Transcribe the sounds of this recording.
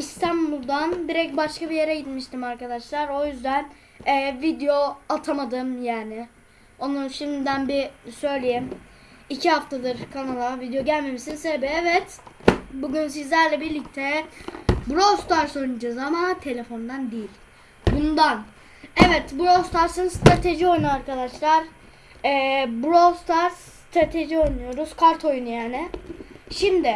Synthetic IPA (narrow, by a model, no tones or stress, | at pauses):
ist̪ʰambulˠd̪and̪iɾɛc̚baʃkabije̞ɾɛɟit̪miʃt̪ʰimaɾkad̪aʃlˠaɾo̞jyzd̪æn | ɛːvid̪eo̞at̪ʰamad̪ɯmjaːnɪ | o̞nuʃimd̪id̪ænbisø̞jlʲejim | icʰiɦhaft̪ʰad̪ɯɾkʰanalˠavid̪ejo̞ɟælʲme̞misinsebiɛvɛt̪buɟyns̬izlʲæɾlʲɛbiɾlʲic̚t̪ʰɛ | buɾost̪ʰaɾso̞jnud͡ʒazamat̪ʰe̞lʲe̞fo̞nd̪and̪ijilʲ | bund̪an | ɛvɛt̪buɾost̪ʰaɾsɯnst̪ʰɾat̪ʰe̞ʒio̞jnuaɾkad̪aʃlˠaɾ | ɛːbuɾost̪ʰaɾs | t̪ʰɾat̪ʰe̞ʒio̞jnujo̞ɾuzkʰaɾt̪ʰo̞junujaːnɪʃimd̪ɪ